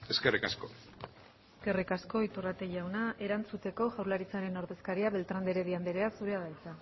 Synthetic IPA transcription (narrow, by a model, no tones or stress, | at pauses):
eskerikasko | eske̞rikasko̞it̪urat̪e̞ʝawnaʔe̞ɾant͡sut̪e̞ko̞ʝawɾlaɾit͡saɾe̞no̞ɾðe̞skaɾiaβe̞lt̪ɾand̪eɾe̞ðiand̪eɾe̞asuɾeaðajt͡sa